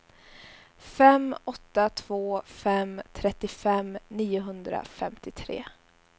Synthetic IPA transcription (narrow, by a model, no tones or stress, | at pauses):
fɛmɔt̪ːat̪ʰv̥oːfɛmt̪ʰɾɛt̪ːɪfɛmniːʊɦɵnd̪ɾa̰fɛmt̪ɪt̪ʰɾḛː